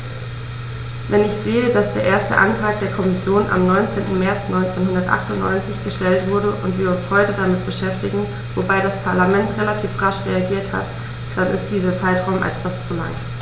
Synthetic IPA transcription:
vɛnɪçz̥eːədasd̥eːɐʔeːɐstə̰ʔa̰ntʁ̥aːk̚d̥eːɐkʰɔmɪsjoːna̰mnɔʏnt͡seːntn̩mɛɐt͡snʔɔʏnt͡seːnhʊndɐtʔa̰χtʊntnɔ̰ʏnt͡sɪçɡ̥əʃtɛltv̥ʊɐɾəʔʊntv̥iːɐʊnshɔʏtədamɪt̚b̥əʃɛftɪɡŋ̩ | vobaɪɾaspʰaɐlamɛntʁelatʰiːfʁaʃʁeaɡiːɐtha̰t | d̥anɪ̰std̥iːzɐt͡saɪtʁ̥aʊmʔɛ̰tv̥ast͡sula̰ŋ

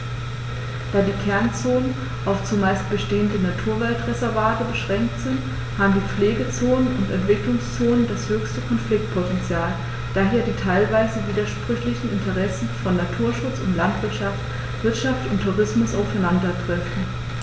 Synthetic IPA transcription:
d̥aːdiːkʰɛɐnt͡soːnən | ʔaʊft͡sumaɪst̚b̥əʃteːəndənatʰuːɐvɛltʁɛzɛɐvaːtəbəʃʁ̥ɛŋk̚tz̥ɪnt | haːbm̩diːp͡fleːɡət͡soːnənʊntɛntv̥ɪklʊŋst͡soːnəndashøːçstəkʰɔnflɪk̚t̚pʰotɛnt͡sjaːl | d̥aːɦeːɐdiːtʰaɪlvaɪzəviːdɐʃpʁ̥ʏçlɪçn̩ɪntʰəʁɛsn̩fɔnːatʰuːɐʃʊt͡sʊntlantv̥ɪɐtʃaft | v̥ɪɐtʃaftʊntʰːuʁɪsmʊsaʊfaɪnandɐtʁ̥ɛfn̩

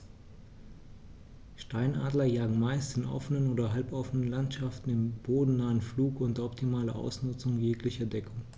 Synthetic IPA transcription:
ʃtaɪnʔa̰ːdlɐjaːɡŋ̩maɪstɪnʔɔ̰fənənoːdɐɦalpʔɔfənənlantʃaftn̩ɪmb̥oːdn̩naːənfluːkʔʊntɐɔptʰimaːlɐ̰ʔa̰ʊsnʊt͡sʊŋjeːklɪçɐdɛkʰʊŋ

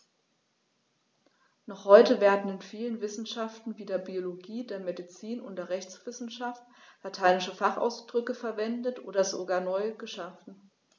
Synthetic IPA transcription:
nɔχhɔʏtəveːɐdn̩ɪnfiːlənvɪsn̩ʃaftn̩viːdeːɐbioloɡiːdeːɐmedit͡siːnʊnt̚d̥eːɐʁɛçt͡sv̥ɪsn̩ʃaft | latʰaɪnɪʃəfaχa̰ʊsd̥ʁʏkəfɛɐvɛndətʔoːdɐzoɡaːɐnɔʏɡ̥əʃafn̩

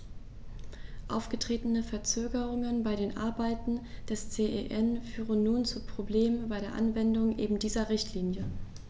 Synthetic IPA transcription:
ʔaʊfɡ̥ətʁ̥eːtənəfɛɐt͡søːɡəʁʊŋənbaɪɾeːnʔa̰ɐbaɪtn̩d̥ɛst͡seːʔḛʔɛnfyːʁənːuːnt͡supʁ̥obleːmbaɪɾeːɐʔanvɛndʊŋʔeːbm̩diːzɐʁɪçtʰliːnjə

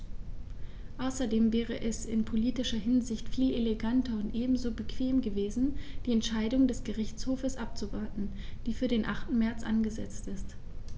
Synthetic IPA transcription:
ʔaʊsɐdeːmvɛːʁ̞əʔɛsɪ̰npʰoliːtɪʃɐɦɪnzɪçtfiːleleɡantʰɐʊntʔeːbm̩zoːbəkʰv̥eːmɡəveːzn̩d̥iːɛntʃaɪdʊŋdɛsɡ̥əʁɪçt͡shoːfəsʔap̚t͡suvaɐtn̩ | d̥iːfyːɐɾeːnʔaχtn̩mɛɐt͡sʔanɡəzɛt͡stɪst

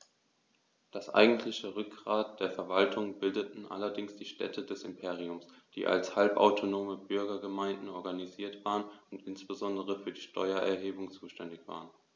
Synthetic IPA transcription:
d̥asʔa̰ɪɡŋ̩tʰlɪçəʁʏk̚ɡʁaːt̚d̥eːɐfɛɐvaltʰʊŋbɪldətn̩ʔa̰lɐdɪŋsd̥iːʃtɛ̰tʰədɛsɪmpʰeːʁ̞iʊmsd̥ḭːʔa̰lshalpʔa̰ʊtʰonoːməbʏɐɡɐɡəmaɪndn̩ɔɐɡaniziːɐtv̥aːʁənʊntʔɪnsb̥əzɔndəʁ̞əfyːɐdiːʃtʰɔ̰ʏɐʔɛ̰ɐɦeːbʊŋt͡suːʃtɛndɪçv̥a̰ːʁən

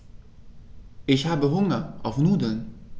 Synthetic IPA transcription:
ɪçhaːbəɦʊŋɐʔɔfnuːdən

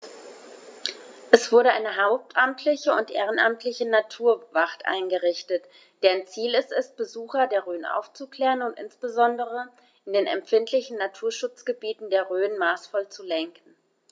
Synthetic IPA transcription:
ʔɛsv̥ʊɐɾəʔaɪnəɦaʊp̚tʰʔamtʰlɪçəʊntʔḛːʁ̞ənʔa̰mtʰlɪçənatʰuːɐvaχtʔa̰ɪnɡəʁɪçtət | d̥ɛːnt͡siːlɛstɛst̚b̥əzuːxɐdeːɐʁøːənʔa̰ʊft͡sukl̥ɛːʁənʊntʔɪ̰nsb̥əzɔndəʁ̞ə | ʔɪndeːnɛ̰mfɪntʰlɪçn̩natʰuːɐʃʊt͡sɡ̥əbiːtn̩deːɐʁøːənmaːsfɔlt͡sulɛŋkn̩

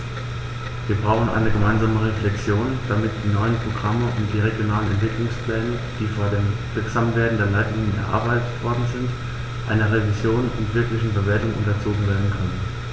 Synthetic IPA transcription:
viːɐbʁaʊxn̩ʔa̰ɪnəɡəmaɪnzaːməʁeflɛkt͡sjoːnd̥amɪt̚d̥iːnɔʏənpʁ̥oɡʁaməʔʊntd̥iːʁeɡjonaːlənɛ̰ntv̥ɪklʊŋsplɛːnə | d̥iːfoːɐdeːmvɪɐkz̥amveːɐdn̩deːɐlaɪtlɪŋənɛ̰ɐʔa̰ːɐbaɪtətv̥ɔɐdn̩zɪnt | ʔa̰ɪnɐʁevizjoːnʊ̰ntv̥ɪɐklɪçn̩bəveːɐtʊŋʔʊ̰ntɐt͡soːɡŋ̩veːɐdn̩kʰœnən

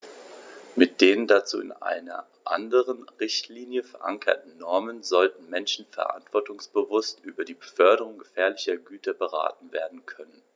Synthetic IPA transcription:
mɪt̚d̥eːʁəndat͡sṵːɪ̰nʔa̰ɪnɐ̰ | ʔa̰ndəʁ̞ənʁɪçtʰliːnjəfɛɐʔa̰ŋkʰɐ̰tn̩nɔɐmənzɔltn̩mɛnʃn̩fɛɐʔa̰ntv̥ɔɐtʊŋsb̥əvʊstʔyːbɐdiːbəfœɐdəʁʊŋɡəfɛːɐlɪçɐɡyːtʰɐbəʁa̰ːtn̩veːɐdn̩kʰœnən

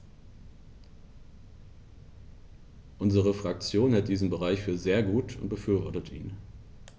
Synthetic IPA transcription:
ʔʊnzəʁ̞əfʁ̥ak̚t͡sjoːnhɛlt̚d̥iːzn̩bəʁaɪçfyːɐzeːɐɡuːtʰʊ̰nt̚b̥əfyːɐvɔɐtətʔḭːn

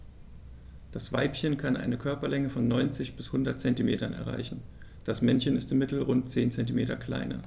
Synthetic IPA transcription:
d̥asv̥aɪpçənkʰanʔa̰ɪnəkʰœɐpɐlɛŋəfɔnːɔʏnt͡sɪçb̥ɪshʊndɐt̚t͡sɛntimeːtɐnɛ̰ɐʁa̰ɪçn̩ | d̥asmɛnçənɪstɪmːɪtl̩ʁʊnt̚t͡seːnt͡sɛntimeːtɐkʰl̥a̰ɪnɐ̰

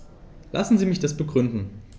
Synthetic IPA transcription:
lʔa̰sn̩ziːmɪçd̥asb̥əɡʁʏndn̩

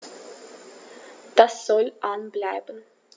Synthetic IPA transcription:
d̥asz̥ɔlʔanblaɪbən̩

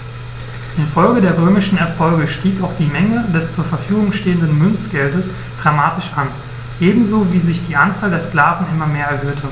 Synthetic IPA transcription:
ʔɪnfɔlɡədeːɐʁ̞øːmɪʃn̩ɛɐfɔlɡəʃtiːkaʊxd̥iːmɛŋədɛst͡suːɐfɛɐfyːɡʊŋʃteːəndənmʏnt͡sɡ̥ɛldəs | d̥ʁamaːtɪʃʔan | ʔeːbm̩zoviːzɪçd̥iːʔant͡saːldeːɐsklaːvn̩ʔɪmɐmeːɐɛɐɦøːtʰə

